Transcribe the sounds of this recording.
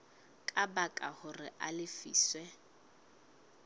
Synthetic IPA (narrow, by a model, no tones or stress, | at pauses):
kʼabakʼahʊrɪʔalɪfiːswɛ